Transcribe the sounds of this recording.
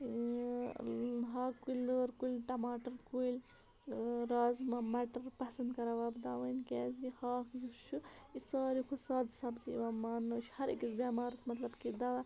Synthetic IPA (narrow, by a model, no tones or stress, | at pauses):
ɦaːkuləɾkulʈɐmaːʈɐɾkuil | ɾaːzmɐmɐʈɐɾpɐsɐnd̪kɐɾɐʋɐːbd̪aːʋɐnkeːz̬ɡihaːkjuʃuisaːɾikʰusɑːd̪sɐbsiʋɐmaːnːɐʃhɐɾḭkisbeːmaːɾɐsmɐt̪lɐbkid̪ɐwɐ